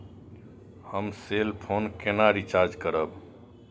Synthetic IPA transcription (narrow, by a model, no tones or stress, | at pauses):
həmselpʰonkenaɾit͡ʃaɾd͡ʒkəɾəb